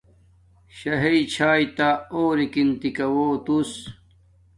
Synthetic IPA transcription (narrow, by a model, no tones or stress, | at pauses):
ɕɐɦeit͡ɕʰaːjt̪aoːɾikint̪ikɐwoːt̪us